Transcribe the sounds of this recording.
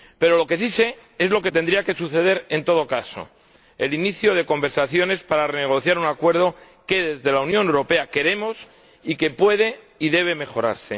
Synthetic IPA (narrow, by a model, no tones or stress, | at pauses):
pe̞ɾo̞lo̞ke̞sise̞ | e̞zlo̞ke̞t̪e̞nd̪ɾiake̞suθe̞ð̞e̞ɾe̞nt̪o̞ð̞o̞kaso̞̰ | ḛliniθjoð̞e̞ko̞mbe̞ɾsaθjo̞ne̞spaɾareneɣ̞o̞θjaɾunakwe̞ɾð̞o̞ | ke̞ðe̞zðe̞launjone̞wɾo̞pe̞ake̞ɾe̞mo̞s | ike̞pwe̞ð̞e̞ | iðe̞β̞e̞me̞xo̞ɾa̰ɾse̞